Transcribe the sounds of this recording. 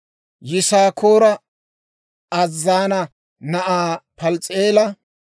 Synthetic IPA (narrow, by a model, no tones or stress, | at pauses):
jɪsaːkʰoːɾɐ | ɐzːaːnɐ | nɐʔaːpɐlt͡sʼeːlɐ